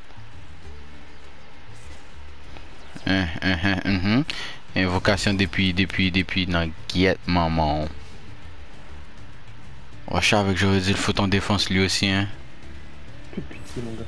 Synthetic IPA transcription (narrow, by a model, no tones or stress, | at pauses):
ɦɛ̃ɦ̩ | ɛ̃vokasjɔ̃d̪epɥid̪epɥid̪epʰɥinɑ̃ɡiɛt̪̚mɑ̃mɑ̃ | ɔ̰ʃaavɛkʒoʁɛd͡zilfot̪ɑ̃d̪efɑ̃slɥiosiɛ̃